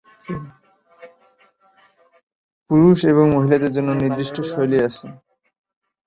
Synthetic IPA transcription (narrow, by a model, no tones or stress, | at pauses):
puɾuʃeβoŋmoɦilad̪eɾd͡ʑonːoniɾd̪ɾiʃʈʰoʃojliat͡ɕʰe